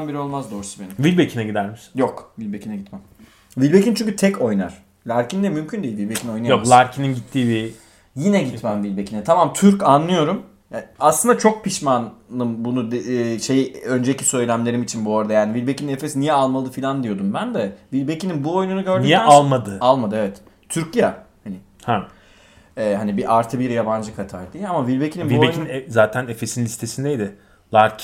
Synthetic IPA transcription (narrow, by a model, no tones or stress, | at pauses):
nbiɾio̞lˠmazd̪o̞ɾsube̞nivilʲbecʰinɛɟid̪æɾmiʃi̥njo̞kvilʲbe̞cʰinɛɟit̪mæm | vilʲbe̞cint͡ʃʰyɲʲcʰyt̪ʰɛco̞jna̰ɾ̥ | lʲaɾcʰind̪ɛmymcʰynd̪eilʲvilʲbe̞cʰino̞jnajomˠaɾcʰininɟit̪ʰːiːbi | jinɛɟit̪mæmvilʲbe̞cʰinɛt̪ʰamamt̪ʰyɾcanːˠɯjo̞ɾum | aslɯnd̪at͡ʃʰo̞k̚pʰiʃmanlˠɯmbunud̪ʃe̞jø̞nd͡ʒecʰi̥sø̞jlʲæmlʲe̞ɾimit͡ʃʰinbuoɾad̪ajaːnivilʲbe̞cʰininefe̞sinijɛalˠmalˠɯfilʲand̪ijo̞d̪umbænd̪ɛvilʲbe̞cininbuo̞jununuɟø̞ɾdnijɛalˠmad̪ɯalˠmad̪ɯevɛt̪ | t̪ʰyɾcjahanɪ | ha | ɛːɦanibiʔaɾt̪ʰɯbiɾjaband͡ʒɯkʰat̪ʰa̰ːld̪iamavilʲbe̞cʰininiuej̪inzaːt̪ʰænefesinlʲist̪ʰe̞sind̪ejd̪ɪ | lˠaɾcʰ